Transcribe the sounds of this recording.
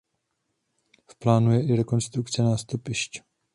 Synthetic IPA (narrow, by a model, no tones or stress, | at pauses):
fplaːnujɛʔɪɾɛko̞nst̪ɾukt͡sɛnaːst̪upɪʃc